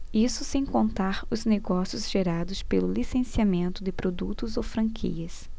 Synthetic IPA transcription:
isʊsẽj̃kõnt̪aɾʊzneɡɔsijʊzʒ̥eɾad̪ʊspelʊlisẽsiamẽnt̪ʊd̪ɪpɾod̪ut̪ʊzowfɾɐ̃ŋkʰḭɐs

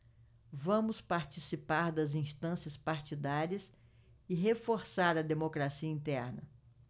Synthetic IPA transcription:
vɐ̃mʊspaɾt͡ʃisipaɾd̪ɐzĩst̪ɐ̃siɐspaɾt͡ʃid̪aɾiɐs | ɪɦefoɾsaɾɐd̪emokɾasiɐĩnt̪ɛɾnɐ

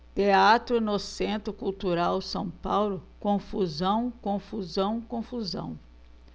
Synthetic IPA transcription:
t̪eat̪ɾʊnosẽnt̪ɾʊkuwt̪uɾawsɐ̃w̃pawlʊkõfuzɐ̃w̃kõfuzɐ̃w̃kõfuzɐ̰̃w̃

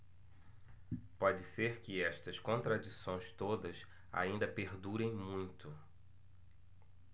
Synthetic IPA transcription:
pɔd͡ʒɪseɾkɪɛst̪ɐskõnt̪ɾad͡ʒisõj̃st̪od̪ɐs | a̰ĩnd̪ɐpeɾd̪uɾẽj̃mũj̃t̪ʊ

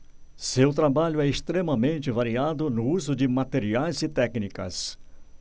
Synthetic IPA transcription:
sewt̪ɾabaʎʊɛɪst̪ɾemɐmẽnt͡ʃɪvaɾiad̪ʊnʊuzʊd͡ʒɪmat̪eɾiajzɪt̪ɛknikɐ̰s

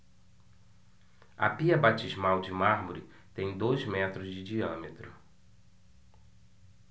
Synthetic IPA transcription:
ɐ̰piɐbat͡ʃizmawd͡ʒɪmaɾmuɾɪ | t̪ẽj̃d̪ojzmɛt̪ɾʊzd͡ʒɪd͡ʒiɐ̃met̪ɾʊ

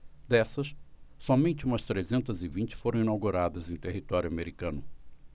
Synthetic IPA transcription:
d̪ɛsɐsːɔmẽnt͡ʃɪũmɐst̪ɾezẽnt̪ɐzɪvĩnt͡ʃɪ̥foɾɐ̃w̃ĩnawɡuɾad̪ɐzẽj̃t̪eɦit̪ɔɾjʊameɾikɐ̃nʊ

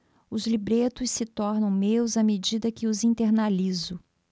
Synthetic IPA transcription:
ʊzlibɾet̪ʊssɪt̪ɔɾnɐ̃w̃mewzɐmed͡ʒid̪ɐkɪʊzĩt̪eɾnalizʊ

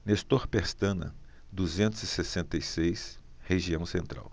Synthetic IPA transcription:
nest̪oɾpeɾst̪ɐ̃nɐ̰ | d̪uzẽnt̪ʊzisesẽnt̪ɐjsejs | heʒiɐ̃w̃sẽnt̪ɾa̰w

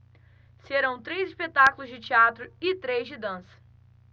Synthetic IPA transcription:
seɾɐ̃w̃t̪ɾejzɪspet̪akulʊzd͡ʒɪt͡ʃiat̪ɾʊɪt̪ɾejzd͡ʒɪd̪ɐ̃sɐ̥

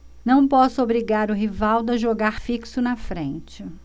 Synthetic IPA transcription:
nɐ̃w̃pɔsʊobɾiɡaɾʊɦivawd̪ʊɐʒoɡaɾfiksʊnɐfɾẽnt͡ʃɪ

